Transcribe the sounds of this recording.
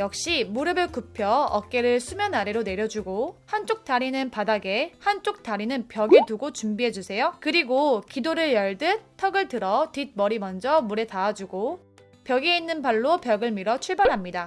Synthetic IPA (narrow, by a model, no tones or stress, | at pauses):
jʌk̚ɕ͈imuɾɯbɯɭkupʰjʌʌk̚k͈e̞ɾɯɭsʰumjʌnaɾe̞ɾone̞ɾjʌd͡ʑuɡohant͡ɕ͈ok̚t͈aɾinɯnpadaɡe̞hant͡ɕ͈ok̚t͈aɾinɯnpjʌɡetuɡot͡ɕumbiɦe̞d͡ʑusʰe̞jokɯɾiɡokidoɾɯɭjʌɭdɯtʰʌɡɯɭtɯɾʌtid̚mʌɾimʌnd͡ʑʌmuɾe̞taːd͡ʑuɡo | pjʌɡeinːɯnpaɭːopjʌɡɯɭmiɾʌt͡ɕʰuɭbaɾɦamɲida